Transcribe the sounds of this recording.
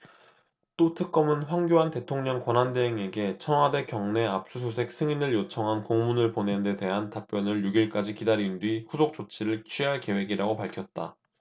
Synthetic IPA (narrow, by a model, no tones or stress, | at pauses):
t͈otʰɯk̚k͈ʌmɯnɸwaŋɡʲjoɦante̞tʰoŋɲʌŋkwʌnɦande̞ɦeŋe̞ɡe̞t͡ɕʰʌŋwade̞kjʌŋne̞ap̚s͈us̬ʰus̬ʰe̞k̚s͈ʰɯŋinɯɭjot͡ɕʰʌŋɦankoŋmunɯɭponende̞te̞ɦantap͈jʌnɯɭjuɡiɭk͈ad͡ʑikidaɾindɥiɸusʰok̚t͡ɕ͈ot͡ɕʰiɾɯɭt͡ɕʰɥiɦaɭke̞we̞ɡiɾaɡopaɭkʰjʌt̚t͈a̰